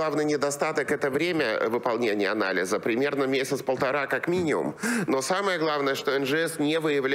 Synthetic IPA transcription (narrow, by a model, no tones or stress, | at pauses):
avnɨjnʲɪd̪ɐst̪at̪əkɛt̪əvɾʲemʲəvɨpɐlˠnʲenʲɪjəɐna̰lʲɪ̰zəpɾʲɪmʲe̞rnəmʲesʲɪt̪spəlˠt̪ɐɾakakmʲinʲɪmʊ̰mno̞saməjəɡlˠavnəjəʂt̪o̞ɛnʐɨɛsnʲevɨjɪvlʲ